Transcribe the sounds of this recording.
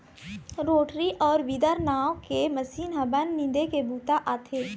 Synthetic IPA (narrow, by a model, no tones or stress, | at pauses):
ɾoːʈɾiʔɔːɾbid̪əɾnaːõkemɐsiːnɦɐbənːɪ̃nd̪ekebuːt̪aʔaːt̪ʰeː